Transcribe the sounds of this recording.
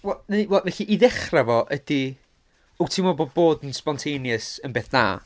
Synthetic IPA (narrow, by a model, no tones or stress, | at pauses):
wɛlˠnewɛlˠvɛɬiʔiðɛχravɔʔəd̥i | ultʰɪmɔboːboːdnspɔntʰejnjəsənbeːθna̰ː